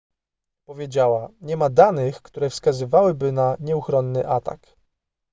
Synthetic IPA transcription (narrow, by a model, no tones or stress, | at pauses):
pɔvʲjed͡ʑawaɲɛmad̪anɘxkt̪uɾɛfskazɘvawɘbɘnaɲɛuxɾɔnːɘʔat̪a̰k